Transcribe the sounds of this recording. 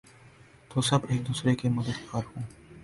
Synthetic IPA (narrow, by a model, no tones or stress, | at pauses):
t̪osɐbeːk̚d̪uːsɾekemɐd̪əd̪ɐːɾhũː